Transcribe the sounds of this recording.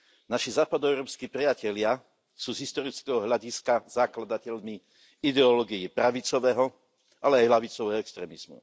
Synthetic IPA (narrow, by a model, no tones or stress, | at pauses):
naʃizaːpad̪ɔɛʊɾɔːpskiːpɾiacɛlɪa | suːzɦist̪ɔɾit͡skɛɦɔɦʎaɟiskazaklad̪acɛʎmi | id̪ɛɔlɔɡijipɾaʋit͡sɔʋɛːɦɔ | ʔalɛajlaʋit͡sɔʋɛɦɔɛkst̪ɾɛːmiz̥mṵ